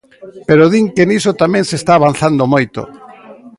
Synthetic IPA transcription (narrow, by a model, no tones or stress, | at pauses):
peɾoðiŋkenisot̪amɛ̃ŋsest̪aːβ̞an̟θand̪omojt̪o̰